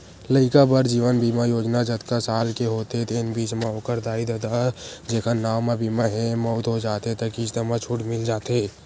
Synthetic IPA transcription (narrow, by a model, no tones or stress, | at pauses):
ləɪkabəɾd͡ʒiːʋənbiːmajoːd͡ʒnad͡ʒət̪kasaːlkeɦoːt̪et̪ɪnbiːt͡ʃmãoːkəɾd̪aːid̪əd̪ad͡ʒeːkʰənaːmẽbiːmaɦɛ̃mɔːt̪ɦod͡ʒaːt̪et̪əkid͡ʒt̪əmat͡ʃʰʊʈmɪld͡ʒaːt̪eː